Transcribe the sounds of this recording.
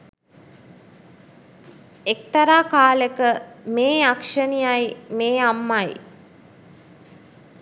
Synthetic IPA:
ek̚t̪ɐɾaːkaːlekəmeːakʂənijajmeːamːaj

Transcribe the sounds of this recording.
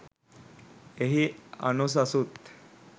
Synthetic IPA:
eɦia̰nus̬asuːt̪

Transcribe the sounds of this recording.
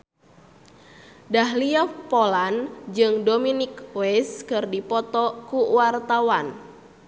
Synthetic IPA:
daɦliɔpoland͡ʒɨŋdominikwɛskɨrdipɔt̪ɔkuwart̪awan

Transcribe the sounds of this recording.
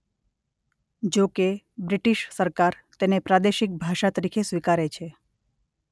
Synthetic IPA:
d͡ʒoke | bɾiʈiʃsəɾkaɾ | t̪enepɾad̪eʃik̚bʱaʃat̪əɾikʰesʋikaɾet͡ʃʰe

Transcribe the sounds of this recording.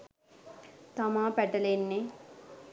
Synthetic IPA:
t̪ɐmaːpɛʈɐlenːe

